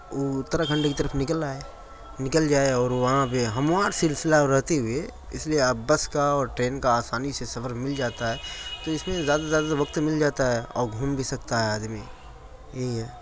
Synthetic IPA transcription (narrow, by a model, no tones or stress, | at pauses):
oʊt̪ːɾakʰɐ̃ɳɖek̬it̪əɾəfnɪkəlaːe | nɪkəld͡ʒaːeɔːɾʋɐɦãpeɦɐmwaːɾsɪlsɪlaɾɐɦt̪eɦʊe | ɪslieaːbɐskaɔːɾʈɾeːnkaaːsaːnisesɐfəɾmɪld͡ʒaːt̪aɦɛːt̪oɪsmẽzjaːd̪azjaːd̪aʋɐk̚t̪mɪld͡ʒaːt̪aɦɛɔ̰ːɾɡʱuːmbʱisɐkt̪aɦɛaːd̪mi | jeɦɛː